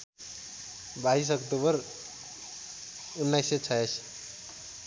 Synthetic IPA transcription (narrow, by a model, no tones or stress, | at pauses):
baɦis̬ʌkt̪obəɾ | unːajset͡ʃʰajəs